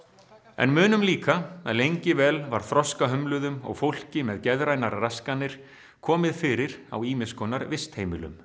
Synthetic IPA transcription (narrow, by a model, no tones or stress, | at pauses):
ɛ̰nmʏːnʏmliːkaalejɲcɪvɛːlvaɾ̥θɾɔskaɦœmlʏðʏmɔ̰ɣfowl̥cɪmɛðcɛðɾajnaɾraskanːɪɾ̥ | kʰɔːmɪðfɪɾɪɾ̥a̰wiːmɪskɔnaɾvɪst̪hejmɪlʏ̰m